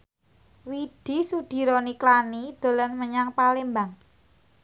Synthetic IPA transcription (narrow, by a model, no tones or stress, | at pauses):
wid̪̥i̤sud̪̥i̤ɾoniklanid̪̥o̤lənməɲaŋpalembaŋ